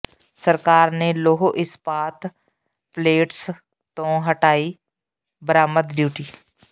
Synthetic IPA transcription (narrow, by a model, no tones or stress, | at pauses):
səɾkaːɾneːloːɦoʔɪspaːt̪ʰ | pleːʈs | t̪õːɦəʈaːiː | bəɾaːməd̪ɖjuːʈiː